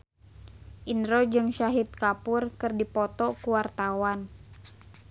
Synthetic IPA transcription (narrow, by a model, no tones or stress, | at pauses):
ʔinɾɔd͡ʒɨŋʃaɦit̪̚kapʊrkɨrdipɔt̪ɔkuwart̪awan